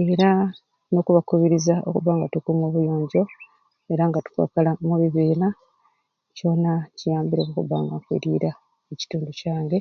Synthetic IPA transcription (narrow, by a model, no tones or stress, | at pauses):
e̞ɾa | no̞kuβakuβiɾizao̞̰kuβaːŋɡatukumoβujo̞ːɲɟo̞ | e̞ɾaŋɡatu̥kwa̰kalamuβiβiːla | co̞nacijaːmbiɾokukuβa̰ːŋɡakwḭɾḭːɾa | eci̥tuːnducaːŋɡe̞